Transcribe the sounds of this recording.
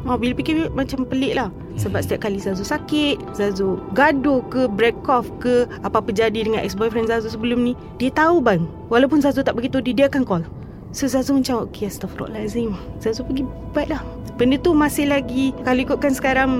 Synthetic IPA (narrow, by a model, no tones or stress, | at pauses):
ɔʔbilapikɪmat͡ʃampəlɪʔlah | səbap̚sə̥t̪iap̚kalizazusakɪt̪̚zazoɡadokəbɾɛkɔfkəapapəd͡ʒadidəŋanʔɛ̰ksbɔjfɾɛnzazusəbəlʊmnĩ | diat̪aubaəŋ | walawpʊnzazut̪aʔbəɡit̪udidiakankɔl | sozazumət͡ʃamʔokiast̪afrɔ̰ʔlazimz̥azopəɡi | bait̪ʔ̪̚lah | bəndət̪umasɪhlaɡikaluikʊt̪̚kansə̥kaɾaŋ